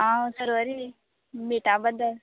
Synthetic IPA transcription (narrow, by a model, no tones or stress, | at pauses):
ãsəɾoəɾi | meʈãbənd̪əɾ